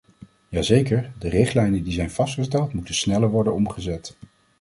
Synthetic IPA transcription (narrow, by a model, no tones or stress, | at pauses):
jaːzejkəɹdərɪχtlɛjnədizɛjnv̥ɑstχəstɛlˠtmutəsnɛləɹʋɔɹdənɔmχəzɛt